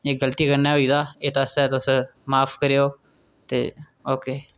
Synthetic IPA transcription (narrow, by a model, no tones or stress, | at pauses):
eɡələt̪iːkəɾnaːɦoiːt̪aːeːt̪aːsɛːt̪ʊsmaːpʰkəɾeːoː | t̪ḛː | oːkeː